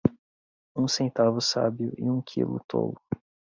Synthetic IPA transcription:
ũsẽnt̪avʊsa̰biʊʔɪũkʰilʊt̪ʰo̰lʊ

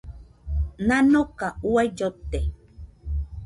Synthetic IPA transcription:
nanokauajjot̪ːe

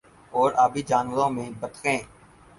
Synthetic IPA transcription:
ɔːɾaːbiːd͡ʒaːnʋəɾõːmẽːbət̪kẽː

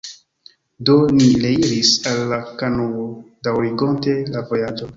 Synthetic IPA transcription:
do̞nileiɾisalːakanowodawɾiɡo̞nte̞lavo̞jad͡ʒo̞

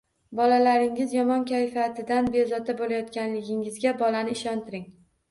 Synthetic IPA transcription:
bɒlalaɾɪŋɪzjɒmɒnkʲʰajfat̪ʰɪd̪anbezɒt̪abolajɒt̪kʲanlɪɡʲɪŋɪzɡʲabɒlanɪɪʃɒnt̪ʰɪɾɪŋ

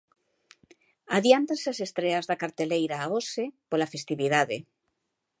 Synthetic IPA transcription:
aðjant̪aseasest̪ɾeazðakaɾt̪elejɾaːosepolafest̪iβiðaðḛ

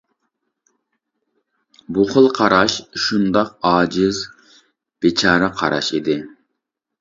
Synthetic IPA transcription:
buχəlˠqʰɑɾɑʃʃund̪ɑq̚ɑːd͡ʒɪz | b̥et͡ʃʰɑːɾəqʰɑ̰ɾɑ̰ʃid̪ɪ

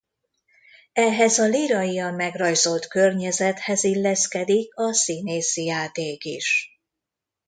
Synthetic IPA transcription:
ɛɦɛzɒliɾɒjiɒmmɛɡrɒjzolt̪kørɲɛzɛt̪hɛzilːɛskɛd̪ikɒsineːsijaːt̪eːkḭʃ

